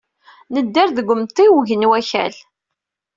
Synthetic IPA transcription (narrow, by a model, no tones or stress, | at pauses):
nəd̪ːaɾðəɡʷːʊmt̪ˤːiwʝənwæçæ̰l